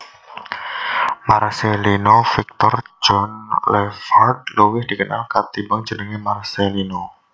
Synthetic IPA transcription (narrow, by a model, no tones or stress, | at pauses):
marselinofik̚t̪ɔrd͡ʒɔnlɛfart̪̚lowɪhd̥ikəna̰lkart̪ibaŋd͡ʒənəŋimarselino